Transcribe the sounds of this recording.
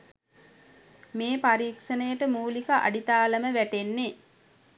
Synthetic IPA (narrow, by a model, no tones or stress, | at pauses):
meːpaɾiːkʂənəjəʈəmuːlikəʔa̰ɖit̪aːləməʋæʈenːe